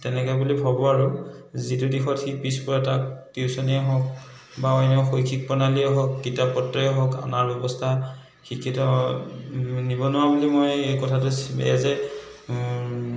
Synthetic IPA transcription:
tɛnɛkɔɛbulibʱabɔaɹuzitudixɔtxipispɔɹataktiusɔniɛɦɔk̚ | baɔjnɔxojkʰik̚pɔnaliɛɦɔk̚ɡitapːɔtːɔɛɦɔka̰naɹbɛbɔstʰa | xikʰːitɔ | nibɔnʊwabulimojekɔtʰatʊsɛ̰zɛ

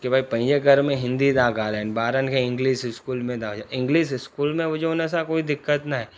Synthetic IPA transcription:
kebʱaːipə̃ɪ̃d͡ʒeɡəɾmẽɦɪ̃nd̪id̪aːɡaːlɛːnbaːɾənkʰeɪ̃ŋɡliːʃskuːlmẽd̪aːd͡ʒaʔɪ̃ŋɡliːʃɪskuːlmẽʋod͡ʒeones̬akoːid̪ɪkːət̪naɦɛ

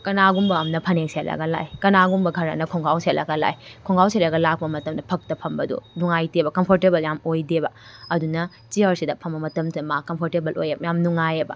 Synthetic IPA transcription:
kɐnaɡumbɐːmnɐpʰɐneŋselɐ̰ɡɐla̰jkɐnaɡumbɐɡʱɐɾɐ̰nɐkʰoŋɡawselɐ̰ɡɐla̰jkʰoŋɡawselɐɡɐlak̚pɐmɐtɐmdɐpʰɐk̚tɐpʰɐmbɐdṵnuŋajtebɐkɐmpʰoɾtebɐljamojdebɐɐdunɐ | t͡ʃiaɾsidɐpʰɐmbɐmɐtɐmsɐmakːɐmpʰoɾtebɐlʔo̰jemjamnuŋajebɐ̰

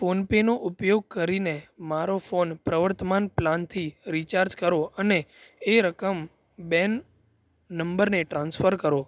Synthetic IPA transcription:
fonpenoʔupjoɡ̚kəɾinemaɾofonpɾəʋəɾt̪əmanplant̪ʰiɾit͡ʃaɾd͡ʒkəɾoəneːɾəkəm | bɛnː | əmbəɾneʈɾãnsfəɾkəɾo

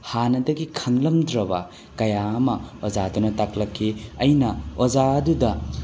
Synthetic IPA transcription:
hanɐdɐɡikʰɐŋlɐmdɾɐbɐ | kɐjaɐmɐod͡ʒadunɐtaklɐkʰːiɐjnɐod͡ʒaɐdudɐ

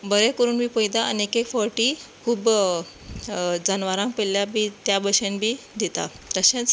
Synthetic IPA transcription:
bəɾekəɾuːnbʱiːpəjd̪aʔa̰niekekfɔɾʈiːkʰuːb | d͡zənʋaɾãŋkpeljabʱiːt̪jabəɕenbʱiːd̪ʱet̪a̰ | t̪ɾəɕẽt͡s

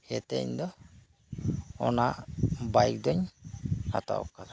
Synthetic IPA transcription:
hɛt̪ɛ̰ɲd̪ɔ | ɔ̰nabajk̚d̪ɔɲha̰t̪a̰ɔ̰kada

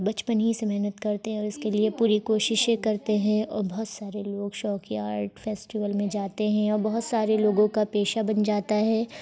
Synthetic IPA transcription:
bɐt͡ʃpənɦisemɛɦnət̪kɐɾt̪eɦɛ̃ɔːɾɪskeliepuːɾikoːʃɪʃẽkɐɾt̪eɦɛ̃ɔːɾbɐɦʊt̪saːɾeloːɡʃɔːkiaːɾʈfɛːsʈɪʋəlmẽd͡ʒaːt̪eɦɛ̃ɔːɾbɐɦʊt̪saːɾeloːɡõkapeːʃabɐnd͡ʒaːt̪aɦɛː

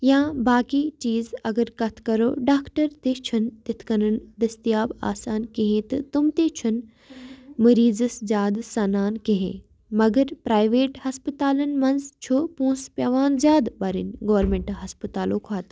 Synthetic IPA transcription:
jãːbaːkit͡ʃiːzɐɡəɾkɐt̪ʰkɐɾoːɖaːkʈɐɾt̪eːt͡ʃʰɐnt̪ɪt̪ʰkɐnɐnd̪ɐst̪ijaːba̰ːsaːnkẽɦẽt̪ɨt̪umt̪eːt͡ʃʰʊn | mɐɾiːzɨszjaːd̪sɐnaːnkẽɦḛ̃ː | mɐɡɐɾpɾaːjʋeːʈhɐspət̪aːlɐnmɐnzt͡ʃʰopũːspʲjɐʋaːnzjaːd̪bɐɾḭnɡoːɾmẽɳʈɦɐspət̪aːloːkʰaːt̪

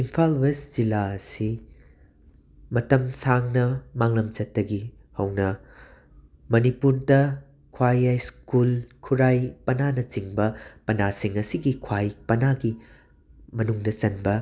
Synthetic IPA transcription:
impʰalbesd͡ʒilaɐsi | mɐtɐmsaŋnɐmaŋlɐmt͡ʃɐtːɐɡi | hɐwnɐ | mɐnipuɾdɐ | kʰwajajskulkʰuɾajpɐnanɐt͡ʃiŋbɐpɐnasiŋɐsiɡikʰwajpɐnaɡi | mɐnuŋdɐt͡ʃɐnbɐ

